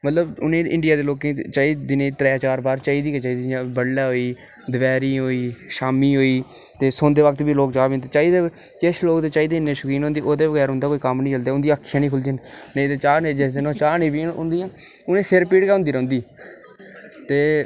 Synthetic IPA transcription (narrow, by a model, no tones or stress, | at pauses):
mət̪ləbʊnẽːɪ̰̃ɳɖɪjaːd̪eːloːkẽːt͡ʃaːiːd̪ɪnẽːt̪ɾɛːt͡ʃaːɾbaːɾt͡ʃaːiːd̪iːket͡ʃaːiːd̪iãbəɽːaːɦoːiː | d̪əʋɛːɾiːɦoːiːʃaːmiːɦoːiːt̪eːsõːnd̪eːʋək̚t̪biːloːkt͡ʃaːbẽnd̪et͡ʃaːiːd̪eː | kesloːkd̪eːt͡ʃaːiːd̪eːnːẽːʃʊkɾiːnõːnd̪iːʔoːd̪eːʋəɡɛːɾɦʊ̃nd̪aːkoːiːkəmnĩːt͡ʃəld̪aːʊnd̪iakʰːjãːnĩːkʰʊld͡ʒənned̪eːt͡ʃaːneːd͡ʒed̪enõːt͡ʃaːnẽːbiːʊ̰nd̪iːãːʊnẽːsɪɾpiːɽkɛːɦʊ̃nd̪iːɾə̃ːnd̪iː | t̪eː